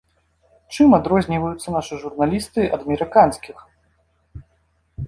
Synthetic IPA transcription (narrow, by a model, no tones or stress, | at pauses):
t͡ʂɨmad̪ɾɔzʲnʲivɐjut̪sːɐnaʂɨʐurnalʲist̪ɨʔɐ̰d̪ɐmʲɛɾɨkansʲkʲix